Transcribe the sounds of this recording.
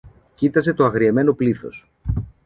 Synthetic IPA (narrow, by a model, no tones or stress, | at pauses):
cit̪ɐse̞t̪o̞ɐɣɾieme̞no̞pliθo̞̰s